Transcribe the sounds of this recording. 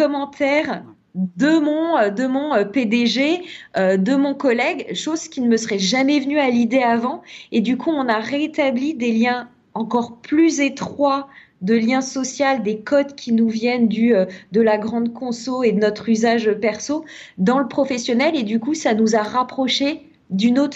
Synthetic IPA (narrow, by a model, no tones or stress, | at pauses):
kɔmɑ̃t̪ɛʁ | d̪əmɔ̃ød̪əmɔ̃øped̪eʒeød̪əmɔ̃kɔlɛɡʃoz̥kʲinəməsəʁɛʒamɛvənyalid̪eavɑ̃ed̪ykʰuɔ̃naʁet̪ablid̪eljɛ̃ | ɑ̃kɔʁplyzet̪χwa | d̪əljɛ̃sɔsjald̪ekɔd̪kʲinuvjɛnd̪yød̪əlaɡʁɑ̃d̪kɔ̃soed̪ənɔt̪χyzaʒpɛʁsod̪ɑ̃ləpχɔfɛsjɔnɛled̪ykusanuzaʁapχɔʃe | d̪ynot̪